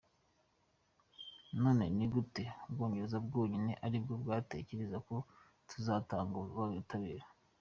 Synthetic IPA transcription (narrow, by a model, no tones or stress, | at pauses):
no̞ːne̞niɡuteubɡo̞ːɲɟeɾezabɡoːɲineʔaɾib̚ɡo̞bɡaːte̞ceɾezako̞ | tʰuzaːtaːŋɡaβaɡutaβiɾa